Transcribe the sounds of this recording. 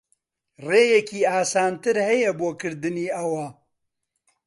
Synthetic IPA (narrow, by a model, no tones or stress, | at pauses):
reːjɛkiːaːsaːnt̪ɨɾhɛjɛboːkʰɨɾd̪ɨniːɐwɐ